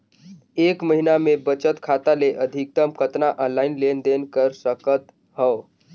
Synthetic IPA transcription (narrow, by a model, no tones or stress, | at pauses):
ekməɦinamebət͡ʃət̪kʰat̪aleʔəd̪ʱik̚t̪əmkət̪naʔənlainlend̪enkəɾsəkət̪ | həw